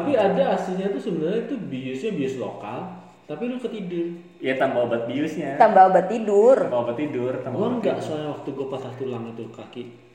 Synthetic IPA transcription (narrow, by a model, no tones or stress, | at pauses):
t̪apiadaːst̪iɲat̪usəbənarɲait̪ubiʊsɲabiʊslo̰ka̰l | t̪apilukət̪idʊr | jat̪ambaobat̪̚biʊsɲat̪ambaobat̪ːidʊrabaobat̪ːidʊramlaŋɡaʔsuajawak̚t̪uɡuapasaht̪ulaŋit̪ukakiʔ